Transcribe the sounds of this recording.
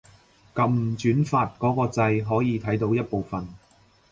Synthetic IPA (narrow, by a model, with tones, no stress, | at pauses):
kɐ˨˧m̩˨˩t͡ʃyː˨˥nfaː˧t̚kɔː˨˥kɔː˧t͡sɐ˧jɦɔː˨˥jiː˨˧t̪ʰɐ˨˥jt̪o˨˥wjɐ˥t̚po˨˧wfɐ˨n